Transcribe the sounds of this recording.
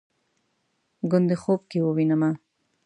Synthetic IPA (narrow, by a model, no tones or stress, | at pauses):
ɡʊnd̪exob̚kewəwinəma